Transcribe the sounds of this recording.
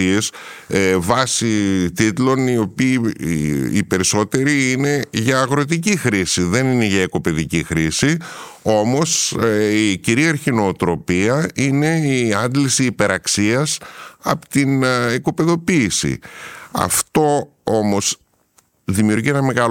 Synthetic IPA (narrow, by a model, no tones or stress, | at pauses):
ies | vɐsit̪it̪lo̞nio̞piː | ḭpe̞ɾiso̞t̪e̞ɾiine̞ʝɐːɣɾo̞t̪̬icixɾisiðe̞nine̞ʝɐeko̞pe̞ðicixɾisi | o̞mo̞siciɾiɐɾçino̞ːt̪ɾo̞piɐine̞iɐnd̪lisiːpe̞ɾɐksiɐsɐpt̪ineko̞pe̞ðo̞piːsḭɐ̰ft̪o̞ | o̞mo̞s | ðimiuɾʝie̞nɐme̞ɣɐ